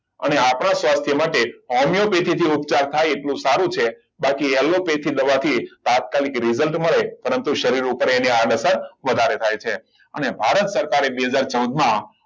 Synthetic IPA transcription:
ə̰neapnasʋast̪ʰjəmaʈeɦɔmijopet̪ʰit̪ʰiupt͡ʃaɾt̪ʰajeʈlũsaɾũt͡ʃʰe | bakiɛlopet̪ʰid̪əʋat̪ʰit̪at̪̚kalikɾizəlʈməɭepəɾənt̪uʃəɾiɾupəɾeniaɖəsəɾʋəd̪ʱaɾet̪ʰajt͡ʃʰe | ə̰nebʱaɾət̪səɾkaɾebeɦəd͡ʒaɾt͡ʃəwd̪mã

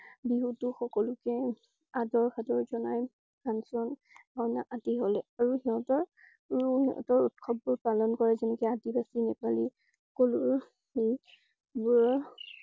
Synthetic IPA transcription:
biɦutuxɔkɔlʊkɛ | adɔɹxʰadɔɹzɔnaj | kansɔn | bɔjna̰ʔatiɦɔlɛaɹuhiɦɔ̃tɔɹ | hiɔ̰tɔɹutkʰɔb̚ːuɹpalɔnkɔɹɛzɛnɛkɛatibasinɛpali | koluɹ | i | buɹ

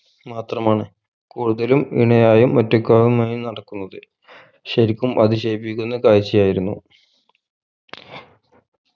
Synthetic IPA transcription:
maːt̪rɐmaːɳɨ | kuːɽuðɐlumḭɳɐjaːjumːɐtːokʲːaːɣumaːjumnɐɽɐkːunːɐðɨ | ɕɐɾikʲːumʔɐd̪iɕejpːikʲːunːɐkaːjt͡ɕːijaːjiɾunːu

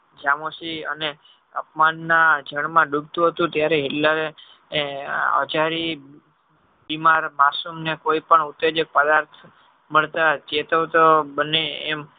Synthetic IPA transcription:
d͡ʒamosiə̰ne | ə̰p̚manːad͡ʒəɽmãɖub̚t̪ũɦət̪ũt̪jaɾeɦɪʈlaɾe | ə̰d͡ʒaɾi | bimaɾmasumnekoipəɳʊt̪ːed͡ʒək̚pəd̪aɾt̪ʰ | məɭt̪ad͡ʒet̪ot̪obəneːm

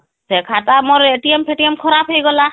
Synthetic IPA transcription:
zɛkʰatamɔɾetiempʰeʈiemkʰɔɾapʰejɡɔla

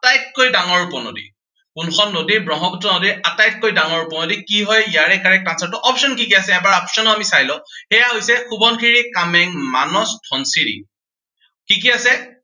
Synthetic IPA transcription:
atajt̚kojdaŋɔɹupɔno̰dḭ | kunxɔnnodiɹbɹɔɦɔɡutɔnodiɹatajt̚kojdaŋɔɹupɔnodikiɦɔjijaɹɛkaɹɛk̚tansaɹtɔʔɔpsɔnkikiasɛɛbaɹɔpsɔnɔamisajlɔ̃xɛjaɦojsɛxubɔnkʰiɹikamɛŋma̰nɔstʰɔnsiɹḭ | kikiasɛ

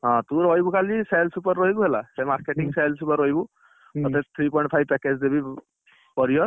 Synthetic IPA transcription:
ɦɔ̃t̪ũɾɦɔjbukalisejlsupɔɾːɔɦibuɦelasemaɾkeʈiŋsejlsupɔɾɔɦibu | ɔt̪et̪ʰɾipɔjɳʈ̚pʰajb̚pɛked͡ʒd̪ebi | pɔɾijɔɾ

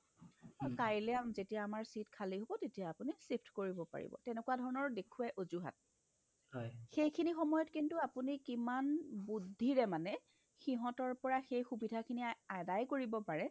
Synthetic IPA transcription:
kajlɛamzetijaːmaɹsitkʰaliɦobɔtetijaːpunisipʰtkoɹibɔpa̰ɹḭbɔ̰tɛnɛkuwadʱɔɹɔnɔɹdekʰuajʔozuɦa̰t̚ | hɔjxejkʰinixɔmɔjɔtkintuapunikimanbudʱːiɹɛmanɛ | xiɦɔ̃tɔɹpɔɹaxejxubidʱakʰiniadajkoɹibɔpaɹɛ

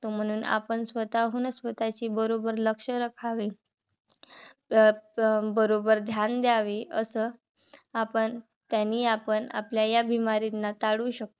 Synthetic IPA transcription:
t̪om̤əɽ̃uːna̰pəɳsʋət̪aɦunəsʋət̪at͡ɕiːbəɾobəɾləkʂəɾəkʰaʋi | bəɾobəɾd̪ʱjand̪jaʋiəsəː | apəɳ | t̪janiːapəɳa̰pljajabʱimaɾit̪nːat̪aɽuːɕək̚t̪o

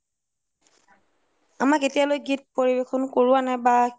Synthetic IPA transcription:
amaketijalojɡit̚poɹibekʰɔnkoɹuwanɛba

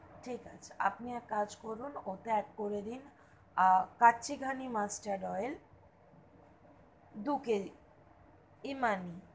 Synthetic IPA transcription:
ʈʰika̰t͡ɕʰḁa̰pniakad͡ʑkoɾunot̪ɛʈ̚koɾed̪in | katːʰiɡʱanimasʈaɾɖɔel | d̪uke | imani

